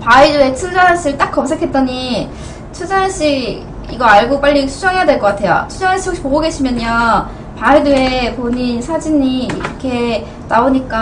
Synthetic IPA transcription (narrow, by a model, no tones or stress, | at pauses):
paidue̞t͡ɕʰund͡ʑaɦaɕ͈iɭt͈ak̚k͈ʌmsʰekʰe̞t̚t͈ʌɲi | t͡ɕʰud͡ʑaanɕ͈iɡ | ḭɡʌaɭɡop͈aʎːitʰud͡ʑʌŋejadweɭk͈ʌk͈atʰe̞jo̰t͡ɕʰud͡ʑaŋɦaɕ͈ikɕipoɡoɡe̞ɕʰimjʌɲa | paidue̞poɲinsʰad͡ʑiɲiːɾʌkʰe̞ | naoɲik͈a